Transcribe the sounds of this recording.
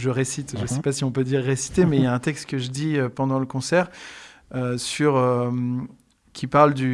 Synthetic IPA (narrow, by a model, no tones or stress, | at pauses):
ʒəʁesit̪ʒəsɛpasiɔ̃pød̪iʁːesi̥t̪emɛjaɛ̃t̪ɛkst̪kəʒəd̪iøpɑ̃d̪ɑ̃ləkɔ̃sɛʁøsyʁøm | kʲipaʁld̪y